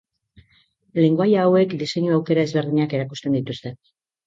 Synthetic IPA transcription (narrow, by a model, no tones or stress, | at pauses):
le̞ŋɡoajaːwe̞kd̪ise̞ɲuawke̞ɾaezβe̞ɾð̞iɲake̞ɾakust̪e̞nd̪it̪ust̪e̞